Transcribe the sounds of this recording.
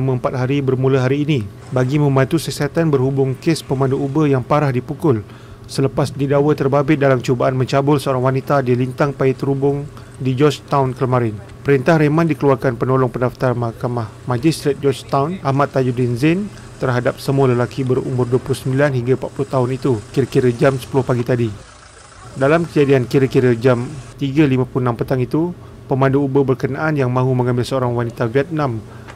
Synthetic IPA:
amãəmpat̪̚ɦaɾibərmulaɦaɾiːni | baɡimə̃mbãnt̪usəsat̪anbərhubʊŋkespəmãnduubəjaŋpaɾahdipukʊl | sələpasdidawət̪ərbabɪt̪̚dalamt͡ʃubaʔanmə̃ɲt͡ʃabʊlsəoɾaŋwanit̪adilint̪aŋpajit̪əɾubʊŋ | did͡ʒɔt͡ʃt̪awnkələmãɾɪn | pəɾint̪ahɾemãndikəluarkanpənolɔŋpəndaft̪armakamahmãd͡ʒist̪ɾet̪̚d͡ʒɔt͡ʃt̪awnahmat̪ːajudinzɛn | t̪ərɦadap̚səmualəlakibərṵmbʊrduəpulʊhsəmbilanhiŋɡapat̪̚pulʊht̪aɦʊnit̪ukiɾəkiɾəd͡ʒamsə̥pulʊhpaɡit̪adi | dalamkəd͡ʒadiankiɾəkiɾəd͡ʒamt̪iɡalimãpuluhənãmpət̪aŋit̪u | pəmãnduːbəbərkənaʔanjaŋmãɦumə̃ŋãmbɪlsəoɾaŋwanit̪aviɛt̪̚nãm

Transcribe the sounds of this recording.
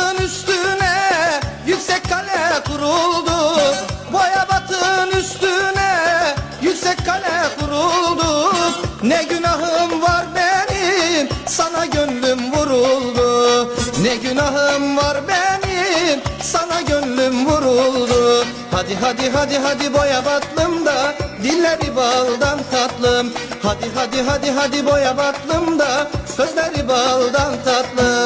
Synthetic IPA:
nyst̪ynɛjycʲsɛckʰalʲɛkʰuɾulˠd̪ubojabat̪ʰɯnyst̪ynɛjycʲsɛcʲkʰalʲɛkʰuɾulˠd̪u | nɛɟynaɦɯmvaɾbɛnimsanaɟønlʲymvuɾulˠd̪unɛɟynaɦɯmvaɾbɛnisanaɟønlymvuɾulˠd̪u | had̪iɦad̪iɦad̪iɦad̪ibo̞jabat̪lˠɯmd̪ad̪ilʲːeɾibalˠd̪ant̪ʰat̪lˠɯmhad̪iɦad̪iɦad̪iɦad̪ibo̞jabat̪lˠɯmd̪akʰɯzlʲɛɾibalˠd̪ant̪ʰat̪lˠɯ

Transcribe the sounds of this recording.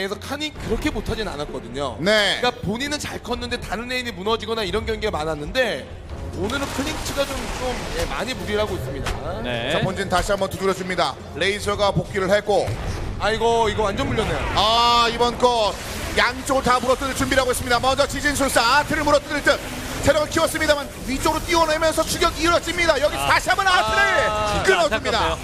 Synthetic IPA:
esʰʌkʰaɲikɯɾʌkʰe̞motʰad͡ʑina̰nat̚k͈ʌdɯɲo̰ne̞kapoɲinɯnt͡ɕaɭkʰʌnːɯnde̞taɾɯnːe̞iɲimunʌd͡ʑiɡʌnaiɾʌnɡjʌŋɡeɡamananːɯnde̞ | onɯɾɯnkʰɯɾiŋt͡ɕʰɯɡat͡ɕomt͡ɕomjema̰ɲimuɾiɾɦaɡois͈ɯmɲida̰net͡ɕapond͡ʑinɯntaɕʰiambʌntuduɾjʌs͈ɯmɲida | ɾe̞isʰʌɡapok͈ʰiɾɯɭhek͈oaiɡʌiɡʌand͡ʑʌnmuʎːjʌnːejoaibʌnkʌ | jaŋt͡ɕ͈ʌoɡɯɭtamuɾʌt͈ɯdɯɭt͡ɕumbiɾɦaɡoe̞s͈ɯmɲidamʌnd͡ʑʌt͡ɕid͡ʑins̬ʰoɭs͈aatʰɯɾɯɭmuɾʌt͈ɯdɯɭt͈ɯn̚ | sʰeɾʌɡɯɭkʰiwʌs͈ɯmɲidaman | it͡ɕ͈oɾot͈iwʌnɦemjʌnsʰʌt͡ɕʰuɡjʌɡiɾʌt͡ɕ͈imɲidajʌɡisʰʌtaɕʰiɦambʌnatʰɯɾɯk͈ɯnʌɯmɲida

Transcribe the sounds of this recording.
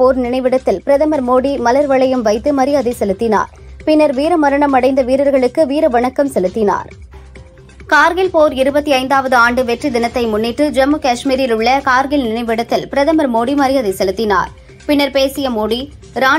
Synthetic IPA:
poːɾnɪnɐɪʋɪɽɐt̪ːɪlpɪɾɐðɐmɐɾmoːɽimɐlɐɾʋɐɭɐjɯmʋɐɪt̪ːɯmɐɾɪjaːðɐɪsɛlɯt̪ːɪna̰ːɾpɪnːɐɾʋiːɾɐmɐɾɐɳɐmɐɽɐɪnd̪ɐʋiːɾɐɾɣɐɭɯkːɯʋiːɾɐʋɐɳɐkːɐmsɛlɯt̪ːɪna̰ːɾ | kaːɾɣɪlpoːɾɪɾɯbɐt̪ːiɐɪnd̪aːʋɐðɯaːɳɖɯʋɛʈrid̪ɪnɐt̪ːɐɪmʊnːɪʈːɯd͡ʒɐmːɯkaːʂmiːɾɪlʊɭːɐkaːɾɣɪlnɪnɐɪʋɪɽɐt̪ːɪlpɪɾɐðɐmɐɾmoːɽimɐɾɪjaːðɐsɛlɯt̪ːɪna̰ːɾ | pɪnːɐɾpeːsɪjɐmoːɽi | ɾaː

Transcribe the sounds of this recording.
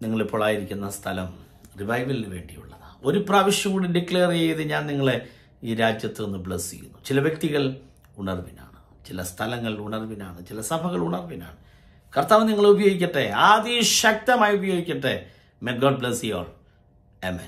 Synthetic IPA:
niŋːɐɭupːoːɭaːjiɾikʲːunːɐst̪ʰɐlɐm | riʋɐjʋɐlilʋe̞̰ːɳɖḭjṵɭːɐðɨo̞ɾupraːʋiʂjɐmuːɽiɖikɭeːrejiðɨɲaːnniŋːɐɭe | iːɾaːd͡ʑjɐt̪ːɨenːɨbɭesikʲːṵnːut͡ɕilɐʋjek̚t̪iɣɐɭ | uɳɐrʋina̰ːɳɨ | t͡ɕilɐst̪ʰɐlɐŋːɐɭiluɳɐrʋinaːɳɨt͡ɕilɐsɐbʱɐɣɐɭuɳɐrʋina̰ːɳɨ | kɐrt̪ːaːʋɐniŋːɐɭubɐjo̞ːɡikʲːɐʈːeaːðiɕɐk̚t̪ɐmaːjubɐjo̞ːɡikʲːɐʈːe | mek̚ɡoːɖ̚bɭesijo̰ːɭ | emːḛn

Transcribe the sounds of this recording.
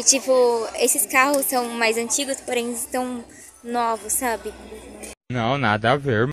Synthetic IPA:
ɪt͡ʃipʊesɪskahʊsːɐ̃w̃majzɐ̃t͡ʃiɡʊspoɾẽj̃zɪst̪ɐ̃w̃ | novʊsːabɪ | nɐ̃w̃na̰d̪ɐaveɾ

